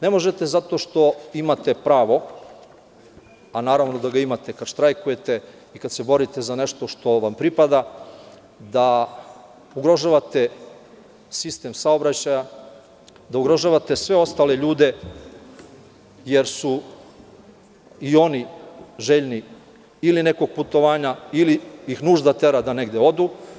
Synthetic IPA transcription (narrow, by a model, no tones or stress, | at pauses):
ne̞mo̞ʒe̞t̪e̞zat̪o̞ʃt̪o̞imat̪e̞pɾaːʋo̞ | anaːɾaʋno̞d̪aɡaimat̪e̞kad̪ʃt̪ɾajkuje̞t̪e | ikad̪se̞bo̞ɾit̪e̞zane̞ʃt̪o̞ʃt̪o̞ʋampɾipad̪a | d̪a | uɡɾo̞ʒaːʋat̪e̞ | sist̪e̞msao̞bɾat͡ɕaja | d̪auɡɾo̞ʒaːʋat̪esʋe̞o̞st̪aːle̞ʎuːd̪e̞ | je̞ɾsu | io̞niʒeʎni | iline̞ko̞ɡ̚put̪o̞ʋaːɲailiixnuːʒd̪at̪e̞ɾad̪ane̞ɡd̪eod̪u